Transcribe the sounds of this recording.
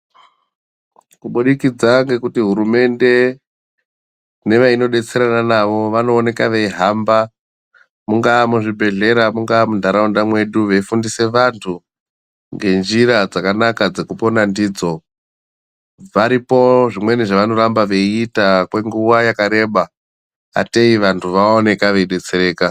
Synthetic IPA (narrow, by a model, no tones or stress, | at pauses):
kuɓuɗikid͡zaŋɡe̞kutiɦuɾume̞nde̞ | ne̞ʋaino̞ɗe̞t͡se̞ɾananaʋo̞ʋano̞ːne̞kaʋeiɦamba | muŋɡamuʐibʱe̞ɮe̞ɾamuŋɡamundʱaɾaundamwe̞ɗuʋeifundise̞ʋantʰu | ŋɡe̞nd͡ʒiɾad͡zakanakad͡ze̞kupo̞nandiːd͡zo̞ | ʋaɾipo̞ʐimwe̞niʐaʋano̞ɾambaʋe̞iːtakwe̞ŋɡuʋajakaɾe̞ːɓa | a̰teiʋantʰuʋaone̞kaʋe̞iɗe̞t͡se̞ɾeːka